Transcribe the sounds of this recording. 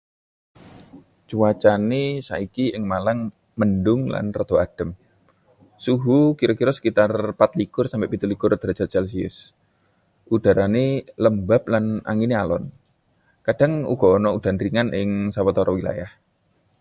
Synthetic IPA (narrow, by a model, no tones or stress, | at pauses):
t͡ʃuat͡ʃanesa̰ikiɪŋmalaŋ | məndʊŋla̰nrɔd̪̥o̤ad̥ə̤m | suɦukiɾɔkiɾɔsə̥kit̪arpat̪likʊrsampeʔpit̪ulikʊrd̪̥ɾad͡ʒat̪̚t͡ʃals̬iʊ̰s | ʔud̥a̤ɾaneləmbap̚lanʔa̰ŋinealɔn | kad̥a̤ŋṵɡ̥ɔ̤ːnɔud̥anɾiŋanʔɪŋsawət̪ɔɾɔwila̰jah